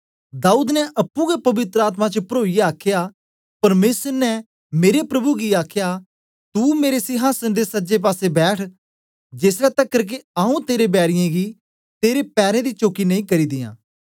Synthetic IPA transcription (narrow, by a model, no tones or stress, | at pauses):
d̪aːuːd̪nɛʔɐpːũɡepɐʋɪt̪ɾəaːt̪̬mãt͡ʃpɾoːijaːkʰja | pɐɾmeːsəɾnɛ | meːɾepɾɐbuɡiaːkʰja | t̪umeːɾesɪɦaːsənd̪esɐd͡ʒep̬aːsebɛːʈʰ | d͡ʒeːsɾɛt̪ɐkːəɾk̬eaːũt̪eːɾebɛːɾɪjãɡi | t̪eːɾepɛːɾẽd̪it͡ʃoːkinɐ̃ĩːkɐɾiːd̪ɪjã̰ː